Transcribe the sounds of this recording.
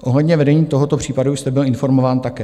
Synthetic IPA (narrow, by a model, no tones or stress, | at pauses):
ʔo̞ɦlɛdɲɛvɛdɛɲiːt̪o̞ɦo̞t̪o̞pr̝̥iːpadust̪ɛbɪlɪnfo̞ɾmo̞vaːnt̪akɛː